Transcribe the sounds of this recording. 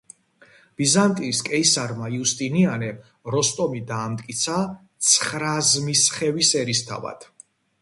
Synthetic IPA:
b̥izant̪ʼiskʼɛisaɾmaiust̪ʼinianɛ | ɾɔst̪ʼɔmid̪aːmt̪ʼkʼit̪sʰat̪sʰχɾazmisχɛvisɛɾist̪ʰa̰va̰d̪̥

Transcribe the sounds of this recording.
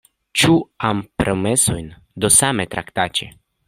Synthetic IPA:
t͡ʃuampɾʔomesojn | d̪osame̞t̪ɾʔa̰kt̪at͡ʃḛ

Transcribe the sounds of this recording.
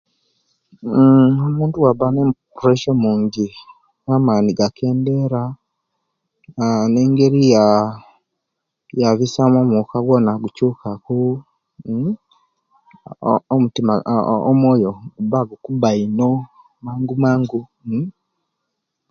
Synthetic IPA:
omuːntuwaβanempuɾeʃomuːɲɟi | namaːniɡakʰe̞ːnde̞ɾa | ne̞ŋɡe̞ɾija | jaβisamomukaɡwonaɡucukʰaku | omutimao̰mwoːjoɡubaɡukubaino̞ | maːŋɡumaːŋɡu

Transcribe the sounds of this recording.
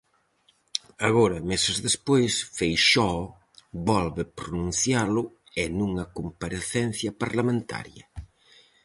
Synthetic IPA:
aɣoɾɐmesɪzðespojsfejʃɔ | βɔlβɪpɾonũnθjalʊ | ɛnuŋɐkompaɾeθɛn̟θjɐpaɾlamẽnt̪ʰa̰ɾjɐ̰

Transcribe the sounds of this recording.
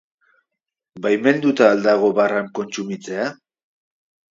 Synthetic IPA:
bajme̞nd̪ut̪aːld̪aɣ̞o̞βaraŋko̞nt͡sumit͡se̞a

